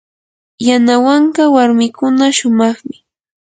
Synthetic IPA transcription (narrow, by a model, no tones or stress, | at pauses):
janawaɴɢɑwaɾmɪkʊnaʃʊmɑχmɪ